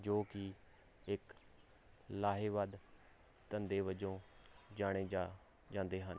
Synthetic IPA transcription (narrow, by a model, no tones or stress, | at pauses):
d͡ʒoːkɪ | ɪk | laːɦeːʋad̪ | t̪ənd̪eːʋəd͡ʒõːd͡ʒaːɽ̃eːd͡ʒaː | d͡ʒãːnd̪eːɦən